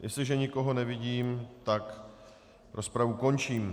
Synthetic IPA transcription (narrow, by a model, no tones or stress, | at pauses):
jʔɛslɪʒɛɲɪko̞ɦo̞nɛvɪɟiːmt̪ak | ɾospɾavuko̞nt͡ʃiːm